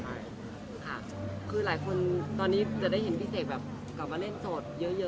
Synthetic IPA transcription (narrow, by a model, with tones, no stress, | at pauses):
a˥˩ | kʰa˥˩ | kʰɯː˧laː˩˦jkʰo˧nt̪ɔː˧nːiː˦˥t͡ɕa˨˩da˥˩jɦe˩˦npʰi˦˥seː˨˩t̪̚bɛː˨˩p̚ | kla˨˩p̚maː˧le˥˩nsoː˨˩t̪̚jɤ˦˥jɤ˦˥